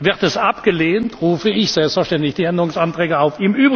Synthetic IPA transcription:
vɪʁtɛsʔapɡ̥əleːntʁuːfəɪçz̥ɛlpstfɐʃtɛntɪçd̥iːɛndəʁʊŋsantʁ̥ɛːɡəaʊfiːmʔyːbʁ

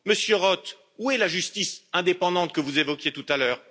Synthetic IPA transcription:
məsjøʁɔt̪ | uɛlaʒyst̪isɛ̃d̪epɑ̃d̪ɑ̃t̪̚kəvuzevɔkʲjet̪ut̪alœːʁ

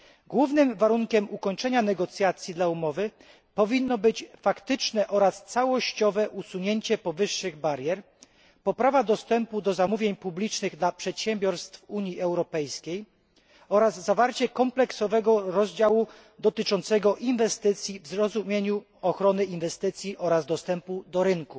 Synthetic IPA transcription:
ɡwuvnɘmvaɾuŋkʲɛmukɔɲt͡ʂɛɲanɛɡɔt̪sʲjat̪sʲjid̪laumɔvɘ | pɔvʲinːɔbɘt͡ɕfakt̪ɘt͡ʂnɛʔɔɾast̪sawɔɕt͡ɕɔvɛʔusuɲeɲt͡ɕɛpɔvɘʂːɘɣbaɾjɛɾ | pɔpɾavad̪ɔst̪ɛmpud̪ɔzamuvʲjeɲpublʲit͡ʂnɘɣd̪lapʂɛt̪ɕɛmbʲjɔɾst̪fuɲjiʔɛwɾɔpɛjskʲej | ɔɾazːavaɾt͡ɕɛkɔmplɛksɔvɛɡɔɾɔzd͡ʑawu | d̪ɔt̪ɘt͡ʂɔnt̪sɛɡɔʔinvɛst̪ɘt̪sʲjivzɾɔzumʲjeɲu | ɔxɾɔnɘinvɛst̪ɘt̪sʲjiʔɔɾazd̪ɔst̪ɛmpud̪ɔɾɘnku

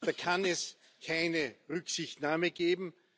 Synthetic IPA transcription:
d̥aːkʰanɛs | kʰaɪnəʁʏksɪçtnaːməɡ̥eːbm̩

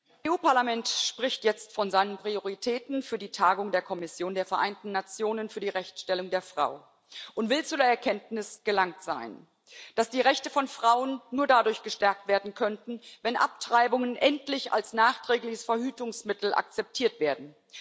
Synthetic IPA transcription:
eːʔuːpaɐlamɛntʃpʁ̥ɪçtjɛt͡stfɔnzaɪnənpʁ̥ioʁitʰɛːtn̩fyːɐdiːtʰaːɡʊŋdeːɐkʰɔmɪsjoːndeːɐfɛɐʔaɪntn̩ːat͡sjoːnənfyːɐdiːʁɛçtʃtɛlʊŋdeːɐfʁ̥a̰ʊ | ʔʊntv̥ɪlt͡suːdeːɐɛɐkʰɛntnɪsɡ̥əlaŋtz̥a̰ɪn | d̥asd̥iːʁɛçtəfɔnfʁ̥aʊənːuːɐdadʊɐçɡ̥əʃtɛɐk̚tv̥eːɐdn̩kʰœntn̩vɛnʔa̰p̚tʁ̥aɪbʊŋənʔɛntlɪça̰lsnaːχtʁ̥ɛːklɪçəsfɛɐhyːtʊŋsmɪtl̩ʔa̰k̚t͡sɛp̚tʰiːɐtv̥eːɐdn̩

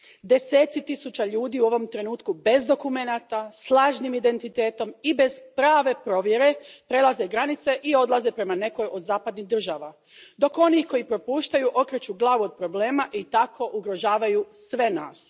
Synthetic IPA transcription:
d̪e̞set̪sit̪isut͡ɕaʎuːd̪iuo̞ʋo̞mt̪ɾe̞nuːt̪kube̞zd̪o̞kume̞nat̪aslˠaːʒnimid̪e̞nt̪it̪e̞ːt̪o̞mibe̞z̥pɾaːʋe̞pɾo̞ʋje̞ɾe̞pɾe̞lˠazeɡɾanit̪se̞ʔio̞d̪lˠaze̞pɾe̞mane̞ko̞jo̞d̪zaːpad̪niɦd̪r̩ʒaːʋa | d̪o̞ko̞nixko̞jipɾo̞puːʃt̪ajuʔo̞kɾet͡ɕuɡlˠaːʋuo̞d̪̚pɾo̞bleːmaʔit̪akʰo̞ʔuɡɾo̞ʒaːʋajusʋe̞na̰ːs

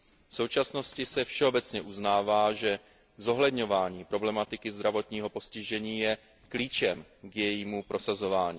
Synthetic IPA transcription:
fso̞wt͡ʃasno̞scɪsɛfʃɛobɛt͡sɲɛʔuznaːvaːʒɛ | zo̞ɦlɛd̪ɲo̞vaːɲiːpɾo̞blɛmat̪ɪkɪzd̪ɾavo̞t̪ɲiːɦo̞po̞scɪʒɛɲiːjɛ | kliːt͡ʃɛmɡjɛjiːmupɾʔo̞sazo̞vaːɲiː

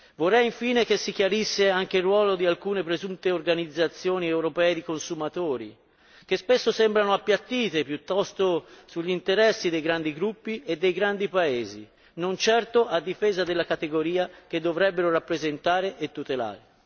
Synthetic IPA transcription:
vorːɛjiɱfiːnek̟esːik̟jaɾisːeaŋk̟erːwɔːlod̪ialkuːnepɾezunt̪eorɡanid̪zːat̪sːjoːniewɾopɛːed̪ikonsumat̪oːɾḭ | k̟espesːosɛmbɾanoapːjat̪ːiːt̪epjut̪ːɔst̪osuʎːint̪eɾɛsːid̪ejɡɾand̪iɡɾupːied̪ːejɡɾand̪ipaeːzḭ | nont͡ʃɛrt̪oʔad̪ːifeːzad̪elːakat̪eɡoɾiːak̟ed̪ːovɾɛbːeɾoɾapːɾezent̪aːɾeʔet̪ːut̪ela̰ːɾe

